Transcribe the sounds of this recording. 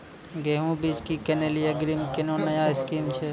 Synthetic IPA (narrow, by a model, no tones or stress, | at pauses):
ɡeɦũbiːd͡ʒkikeneːlijaɡɾimkenoːnɐjaɪskiːmt͡ʃʰe